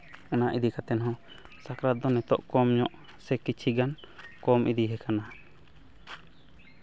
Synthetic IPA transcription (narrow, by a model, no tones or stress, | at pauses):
anaʔid̪ikat̪ɛnɦɔ̃ | sakɾad̪ɔnɛt̪ɔʔkɔmɲɔʔ | sɛkit͡ʃʰiɡan | kɔmʔid̪iɦɛkana